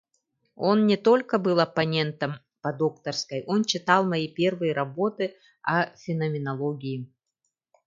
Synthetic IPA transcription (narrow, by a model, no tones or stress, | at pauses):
o̞nnʲɪt̪o̞lʲkəbɨlˠɐpɐnʲe̞nt̪əm | pɐd̪okt̪ərskəjʔo̞nt͡ɕɪt̪ɑlˠmɐjipʲe̞rvɨjəɾɐbo̞t̪ɨ | ɐfʲɪnɐmʲɪnɐlˠoɡʲɪjɪ